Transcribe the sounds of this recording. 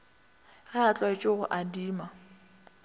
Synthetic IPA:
ɣɛat͡ɬʼwaɪt͡ʃʼɪɣʊʔadiːma

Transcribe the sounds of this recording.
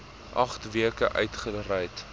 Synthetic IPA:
ʔɐχtviəkəʔœ̰ɥtχərɐjt

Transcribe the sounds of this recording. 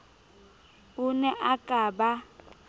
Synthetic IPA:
unɛʔakʼaba

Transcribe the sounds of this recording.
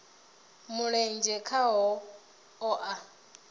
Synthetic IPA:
muɺɛnd͡ʒɛkʰaɦɔ | ɔʔa

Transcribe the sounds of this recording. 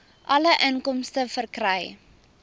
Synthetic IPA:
ʔɐləʔənkɔmstəfərkrəj

